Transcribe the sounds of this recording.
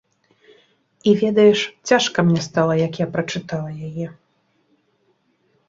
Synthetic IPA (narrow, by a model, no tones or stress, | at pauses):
ivʲɛd̪ɐjɛʂt͡sʲaʂkɐmnʲɛst̪alˠɐjɐkjapɾɐt͡ʂɨt̪alˠɐjajɛ